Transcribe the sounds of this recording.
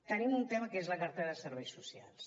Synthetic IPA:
t̪ənimunt̪ɛməkezləkaɾt̪eðəsəɾβɛjsusia̰lˠs

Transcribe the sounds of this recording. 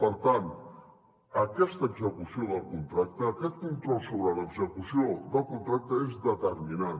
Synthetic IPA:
pəɾt̪an | əkɛst̪əːɡzəkusioðəlˠkunt̪ɾak̚t̪əːkɛt̪̚kunt̪ɾɔlˠsoβɾələɡzəkusiod̪əlˠkunt̪ɾak̚t̪əezðət̪ərmina

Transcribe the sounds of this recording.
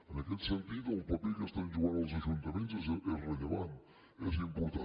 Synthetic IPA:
ənakelsent̪iðoumpapelkest̪anʒuɣaɾls̬aʒunt̪amẽnt̪zʔelreleβan | ez̬impoɾt̪a

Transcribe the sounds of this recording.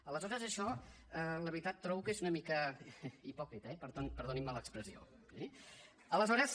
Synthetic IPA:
ələzɔɾəzəʃɔ | ələβɾit̪at̪ːɾɔβukezunəmikəipɔkɾit̪əɛpəɾðonpəɾðonimːələkspɾəzio̰ | si | ələzɔɾəs

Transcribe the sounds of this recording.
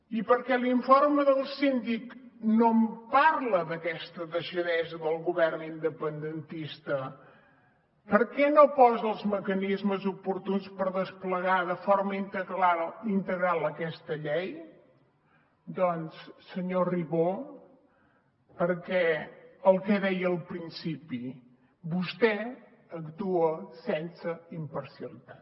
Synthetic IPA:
ipəɾkɛliɱfoɾməðəlˠsind̪ik | nompaɾləðəkɛst̪əðəʃəðɛzəðəlˠɣuβɛrnind̪əpənd̪ənt̪ist̪ə | pəɾkɛnopɔzəlˠzməkənizməzupuɾt̪unspəɾðəspləɣaðəfoɾməi | int̪əɣɾalˠəkɛst̪əʎɛj | d̪ɔnssəɲoriβo | pəɾkɛəlˠkɛðɛjəːlˠpɾinsipi | bust̪ɛ | əkt̪uəsɛnsəimpəɾsiəlit̪at̪

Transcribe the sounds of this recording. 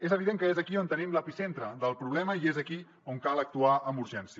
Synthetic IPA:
ezəβiðeŋkəezəkiont̪ənimləpisent̪ɾəðəlˠpɾuβlɛməiezəki | oŋkalˠək̚t̪uaəmbuɾʒɛnsi

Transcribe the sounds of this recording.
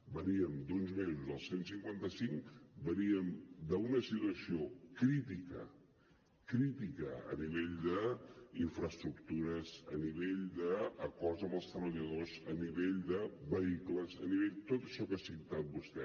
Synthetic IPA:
bəniəmd̪unzmezuzðəlˠsensiŋkwant̪əsiŋkbəniəmd̪əunəsit̪uəsiokɾit̪ikə̰ | kɾit̪ikəə̰niβ̞eʎd̪əiɱfɾəst̪ɾuk̚t̪uɾəzə̰niβeʎd̪əːkɔrt̪zəmbəlˠst̪ɾəβəʎəðozəniβeʎd̪əβəikləzə̰niβeʎt̪ot̪ə̥ʃɔkəasint̪at̪̚bust̪ɛ

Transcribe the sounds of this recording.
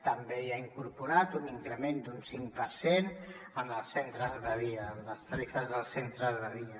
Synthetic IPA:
t̪əmbejaiŋkuɾpuɾat̪uniŋkɾəmend̪unsiŋpəɾsenəməlˠsent̪ɾəzðəðiəːmləst̪əɾifəzðəlˠsent̪ɾəzðəðiə

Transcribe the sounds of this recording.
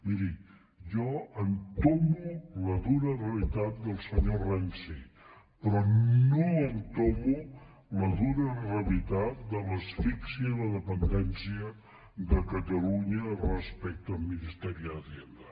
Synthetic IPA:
miɾi | ʒɔənt̪omuləðunərəlit̪at̪̚d̪əlˠsəɲorɛnsi | pɾɔnoənt̪omu | ləðunərəlit̪at̪̚d̪ələsfiksiəðləðəpənd̪ɛnsiə | ðəkət̪əluɲərəspɛk̚t̪əlminist̪ɛɾiəəðend̪ə

